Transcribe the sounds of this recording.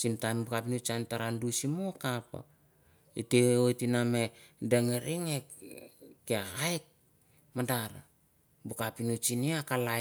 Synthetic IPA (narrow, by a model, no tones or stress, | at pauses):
sintanbukapinut͡ʃantaɾandusimokapa̰ | iteojtinamedeŋeɾʔiŋe | keahajk̚ | madaɾa | bukapinut͡ʃiniakala